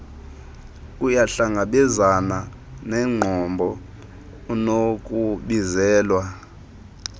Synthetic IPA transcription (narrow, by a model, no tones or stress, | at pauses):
kujaɬaŋɡʱaɓɛzana | nɛŋ͡ǃʱɔmbʱɔ | nokʼuɓizɛːlwa